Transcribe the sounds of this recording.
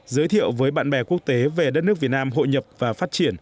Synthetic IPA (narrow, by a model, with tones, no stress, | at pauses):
zəː˨˦jt̪ʰḭ˧˨əwvəː˨˦jɓa̰ː˧˨nɓɛ˨˩ku˦˥ək̚t̪e˨˦ve˨˩ɗə˦˥t̚nɨ˦˥ək̚vi˨˩ət̚naː˧mɦo̰˧˨jɲə˨˩p̚vaː˨˩faː˦˥t̚t͡ɕi˧˩ən